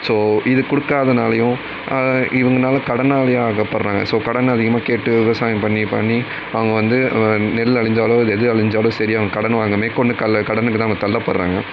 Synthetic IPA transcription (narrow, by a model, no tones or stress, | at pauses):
soːɪðɯkʊɽɯkːaːðɐnaːlɐjʊ̃ | ʔɐʔɪʋɐŋɡɐnaːlɐkɐɽɐnaːlɐjaːɣɐpɐɾɾaːŋɡɐ̰soːkɐɽɐnɐðɪɣɐmaːkeːʈːɯʋɪʋɐsaːjɐ̃mpɐɳːipɐ̰ɳːi | ɐʋɐŋɡɐʋɐnd̪ɯnɛlɐɭɪɲd͡ʒaːloːɪðɯɛðɯɾɐɭɪɲd͡ʒaːloːsɐɾɪɐʋɐŋɡɐkɐɽɐnɯʋaːŋɡɐmeːkɔɳɖɯkɐlɐkɐɽɐnɯkːɯt̪ãːʋɐŋɡɐt̪ɐlːɐpɐ̰ɾɾa̰ːŋɡɐ